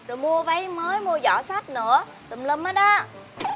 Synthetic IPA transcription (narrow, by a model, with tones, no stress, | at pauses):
zo˨˩jmu˧əva˨˦jməː˨˦jmu˧əzɔ̰˧˩˦sa˦˥t̚nɨ̰˧˥ə | t̪ə˨˩mlə˧maː˨˦jɗa˨˦˥